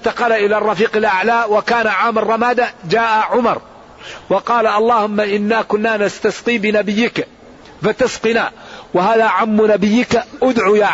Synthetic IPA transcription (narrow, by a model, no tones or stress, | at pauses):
t̪aqɑlaʔɪlarˤːɑfiːqalʔaʕlaːwakaːnaʕaːmɑrˤːɑmaːd̪ad͡ʒaːʔaʕʊmɑɾˤ | wɑqɑːlaʔɑlˤːɑːhʊmːaʔɪnːaːkʊnːaːnast̪asqiːbɪnabɪjːɪk | fat̪asqɪnaːwahaːðaːʕamːʊnabɪjːɪkʔʊd̪ʕujaː